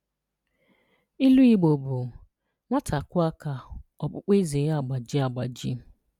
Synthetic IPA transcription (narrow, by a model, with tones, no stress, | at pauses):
i˦lu˦i˦ɡ͡bo˨bu˨ | ŋʷa˦tʰa˨kʊ˦a˦ka˨ɔ˨k͡pʊ˦k͡pe˦ze˨˦a˨ɡ͡ba˨d͡ʒi˦a˨ɡ͡ba˨d͡ʒḭ˦